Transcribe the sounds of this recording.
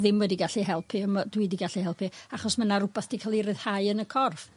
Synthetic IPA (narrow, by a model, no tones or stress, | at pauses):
ðɪmwɛdiɡaɬihɛlˠpʰiɔmadwɨdiɡaɬihɛlˠpʰiaχɔsmənaɾʊbaθd̥ikʰalˠiɾɨð̥haɨənəkʰɔrv